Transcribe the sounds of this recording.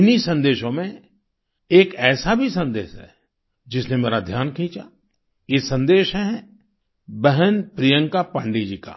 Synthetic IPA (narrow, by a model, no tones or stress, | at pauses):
ɪnisɐ̃nd̪eːʃõmẽ | eːkɛːsabʱisə̃nd̪eːʃɦɛ̰ | d͡ʒɪsnemeːɾad̪ʱjaːnkʰĩːt͡ʃa | jesɐ̃nd̪eːʃɦɛɦɛ | bɛɦənpɾijə̃ŋkapãːɳɖeːd͡ʒiːka̰ː